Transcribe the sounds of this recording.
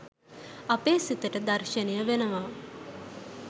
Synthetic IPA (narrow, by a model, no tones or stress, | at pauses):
ɐpeːsit̪əʈəd̪ɐɾʃənijəʋenəʋaː